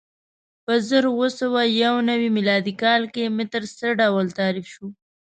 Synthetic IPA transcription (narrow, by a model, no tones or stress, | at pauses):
pəzəɾwosawajawnawimilɑd̪ikɑlkemɪt̪əɾsəɖawəlt̪ɑɾɪfʃu